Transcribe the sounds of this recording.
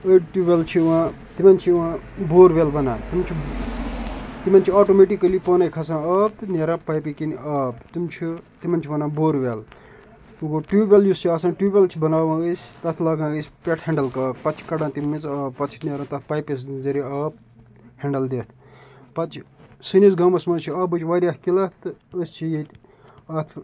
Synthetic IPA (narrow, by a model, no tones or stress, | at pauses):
əʈuʋelt͡ʃʰiʋãː | t̪imɐnʲt͡ʃʰiʋãːboːɾʋelbɐnãːt̪imɐnʲt͡ʃʰi | t̪imɐnʲt͡ʃʰiaːʈomeʈikːɐlipənajkʰɐsãːəːp̚t̪nʲeɾãpɐjpikinɐːpt̪imt͡ʃʰit̪imɐnʲt͡ʃʰbɐnãːboːɾʋeːl | uɡoʈuːbʲeljust͡ʃʰiasãʈuːbʲelt͡ʃʰibɐnaːʋãːɡəsʲt̪ɐt̪ʰlaːɡãːəsʲpʲeʈʰhẽɳɖɐlkaːkpɐt͡ʃʰkɐɖãːt̪imɐt͡sɐːb̚pɐt͡ʃʰnʲeɾãt̪ɐt̪ʰpɐjpʲes̬zɐɾiɐːp̚ | heɳɖɐld̪eːt̪ʰpɐt͡ʃʰsɨnisɡɐmɐsmɐt͡ʃʰiɐːbɨt͡ʃʰʲʋaːɾʲjaːhkilɐt̪ɨəst͡ʃʰijet̪ʲ | ɐt̪ʰ